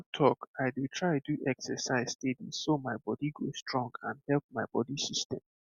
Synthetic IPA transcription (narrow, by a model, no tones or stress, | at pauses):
tʰɔkaɪdutʰɹaɪduʔɛksɛsaɪz̥stediz̥somaɪbɔdiɡostɹɔ̃ŋɡã̰nhɛlˠp̚maɪbɔdisistɛ̰̃m